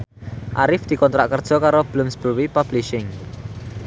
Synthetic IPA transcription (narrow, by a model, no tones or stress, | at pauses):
ʔaɾɪfd̪̥i̤kɔnt̪ɾaʔkərd̥ʒ̥ɔ̤kaɾob̥əlʊmsb̥əwipab̥liʃɪŋ